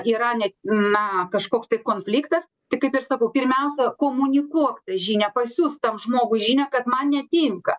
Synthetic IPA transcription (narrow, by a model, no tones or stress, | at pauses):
iːɾɐnʲɛtnɐkɐʃkoːkst̪ɐɪpkoːnfʲlʲɪːkt̪ɐs | t̪ɐɪkɐɪpɪrsɐkɐʊpʲɪɾʲmʲɛʊsʲɛkoːmʊnʲɪkuɔkt̪ɐʒʲiːnʲɛpɐsʲustt̪ɐmʒmoːɡʊɪʒʲiːnʲɛkɐt̪mɐnnʲɛt̪ʲɪŋkɐ